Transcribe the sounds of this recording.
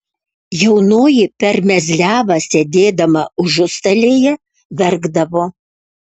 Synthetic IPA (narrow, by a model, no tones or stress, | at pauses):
jɛʊnoːjɪpʲɛɾmʲɛzʲlʲæːʋɐsʲed̪ʲeːd̪ɐmɐʊʒʊst̪ɐlʲeːjɛ | ʋʲɛɾɡd̪ɐʋoː